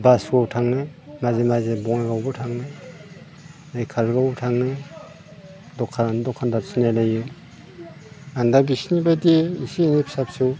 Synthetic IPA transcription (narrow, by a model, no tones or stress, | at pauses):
basɡɔwtʰaŋnemazemazebɔŋaɡawbɔtʰaŋne | ekʰalɡawbɔtʰaŋne | dɔkʰːandɔkʰandasinalajɯ | andabisnibadeisinipʰi̥sapsu